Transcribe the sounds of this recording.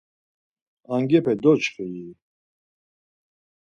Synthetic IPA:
aŋɡɛpʰɛd̪ɔt͡ʃχɛji

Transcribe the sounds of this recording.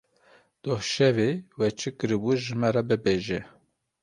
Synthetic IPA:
d̪̥ohʃɛvewɛt͡ʃʰɨkɨɾɨbuʒɨmɛɾɛbɨbeʒɛ

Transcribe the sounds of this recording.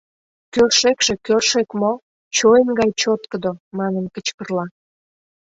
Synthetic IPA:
kørʃekʃe̽kørʃekmo | t͡ɕoənɡɑjt͡ɕot̪kəd̪omɑnənkət͡ɕkərlɑ

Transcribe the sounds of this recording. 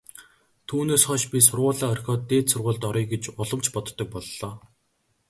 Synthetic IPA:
t̪ʰuːneːsχɔʃpʲisʊrʁʊːɮaːœrʲxʲɔːt̪ːeːt̪sʊrʁʊːɮt̪ɔɾiːɡet͡ɕʊɮə̆m̥t͡ɕpɔt̪ːɞ̆k̚pɔɮːɔː

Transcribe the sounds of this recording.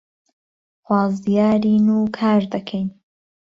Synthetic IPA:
xwɑːzd̪ijaːɾiːnuːkʰaːɾd̪ɐkʰɛjn

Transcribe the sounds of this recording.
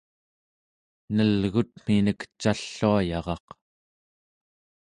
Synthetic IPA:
nəlɣut̪̚m̥inəkt͡ʃaɬːuajɑʁɑq

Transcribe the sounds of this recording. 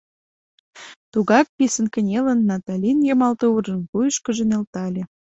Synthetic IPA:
t̪uɣɑk̚pisənkə̆nʲelənːɑt̪ɑlʲinjɑmɑlt̪ourʒə̆mkujəʃkə̆ʒə̆nelt̪ɑlʲĕ

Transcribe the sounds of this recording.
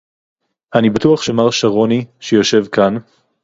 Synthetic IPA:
ʔanibatuaχʃemaʁʃaʁo̞niʃejo̞ʃe̞vkan

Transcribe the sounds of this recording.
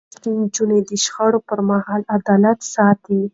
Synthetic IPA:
t̪ind͡ʒuned̪əʃxaɽopəɾmahɑlad̪ɑlat̪sɑt̪i

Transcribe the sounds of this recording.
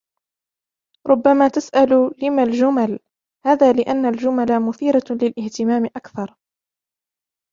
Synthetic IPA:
ɾˤʊbːamaːt̪asʔallɪmald͡ʒʊmal | haːðaːlɪʔanːald͡ʒʊmalamʊθiːɾalɪlʔɪht̪ɪmaːmɪʔakθɑɾˤ

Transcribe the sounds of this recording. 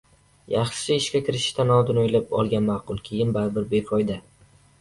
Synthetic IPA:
jɑχʃɪɪʃkʲakʲʰɪɾɪʃɪ̥ʃt̪ʰanɒd̪ɪnojlɪpɒ̰lˠɡʲanmɑqʊlˠkʲʰejɪnbaɾbɪɾbekʰɒjd̪a

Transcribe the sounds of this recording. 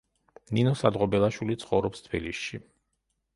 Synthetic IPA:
ninɔsad̪ʁɔbɛlˠaʃwilit̪sʰχɔvɾɔpst̪ʰbilisʃi

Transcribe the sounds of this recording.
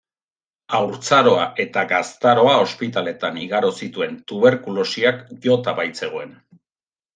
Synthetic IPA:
awɾt͡saɾo̞aʔe̞t̪aɣast̪aɾo̞ao̞spit̪ale̞t̪aniɣaɾo̞sit̪ue̞nt̪uβe̞ɾkulo̞siakʝo̞t̪aβajt͡se̞ɣ̞oe̞n

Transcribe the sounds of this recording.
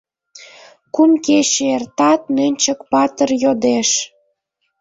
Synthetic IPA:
kumkeɕeert̪ɑt̪̚nønʲt͡ɕə̆kpɑt̪ərjod̪eʃ

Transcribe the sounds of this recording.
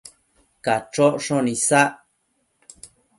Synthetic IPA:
kat͡ʃoʔʂõnĩsaʔ

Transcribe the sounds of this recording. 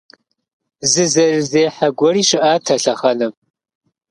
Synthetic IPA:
zɨzɐrɨzeːħaɡʷɔriːʃɪʔaːtʰɐɬɐχɐnɨm

